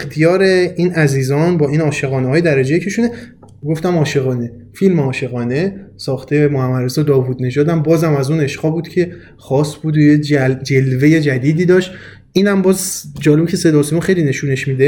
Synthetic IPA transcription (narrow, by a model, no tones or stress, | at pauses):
ext̪ʰijɒːɾeiːnæziːzɒːnbɒːiːnɒːʃe̞ɣɒːnehɒːjed̪æɾæd͡ʒejecʰeʃune | ɡo̞ft̪æmɒːʃe̞ɣɒːne̞filmeɒːʃe̞ɣɒːne̞sɒːxt̪ʰejmohæmːæd̪ɾesɒd̪ɒːvud̪ne̞d͡ʒɒːd̪æmbɒːzæmæzuːne̞ʃqɒːbuːd̪̥cʰe̞ | xɒːsbud̪ojed͡ʒelve̞jed͡ʒæd̪iːd̪iːd̪ɒːʃt̪ | ʔiːnæmbɒːzd͡ʒɒːle̞bcʰe̞se̞d̪ɒːsemuxejline̞ʃune̞ʃmid̪e